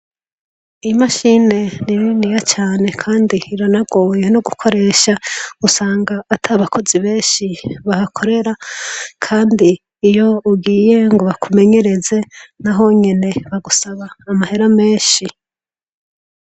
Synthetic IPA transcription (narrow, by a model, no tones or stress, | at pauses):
imaʃine̞niɾinijat͡ʃaːne̞kʰaːndiːɾanaɡo̞ːjenoɡukʰo̞ɾe̞ːʃaɡ̥usaːŋɡaːtʰaβako̞ziβe̞ːnʃiβahakʰo̞ɾe̞ɾakʰaːndiː | jo̞uɡiːje̞ŋɡoβakume̞ɲe̞ɾe̞ze̞naɦo̞ɲe̞ne̞βaɡusaβaːmahe̞ɾame̞ːnʃi